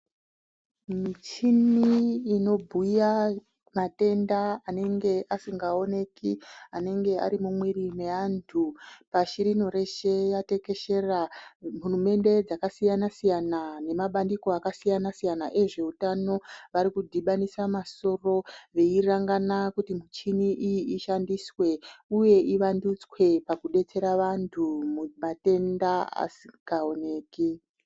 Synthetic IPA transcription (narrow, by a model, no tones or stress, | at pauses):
mit͡ʃiniːno̞bʱuja | mate̞ndaːne̞ŋɡe̞ʔasiŋɡao̞ne̞kiane̞ŋɡe̞a̰ɾimumwiɾimeantʰupaʃiɾino̞ɾe̞ʃe̞jate̞ke̞ʃe̞ram̤urume̞nde̞d͡zakasijanasijanane̞maɓandiko̞akasijanasijanaʔe̞ʐe̞utano̞ʋaɾikudʱiɓanisamaso̞ro̞ʋe̞iraŋɡanakutimut͡ʃiniʔijiʔiʃandiswe̞uje̞ʔiʋandut͡swe̞pakuɗe̞t͡se̞ɾaʋantʰumumate̞ndaa̰sikao̞ne̞ːki